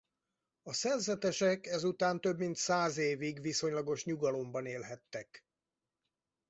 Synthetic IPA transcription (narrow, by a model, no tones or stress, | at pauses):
ɒsɛrzɛt̪ɛʃɛkɛzut̪aːnt̪ø̞bmint̪saːzeːviɡʋiso̞ɲlɒɡo̞ʃɲuɡɒlo̞mbɒneːlɦɛt̪ːɛk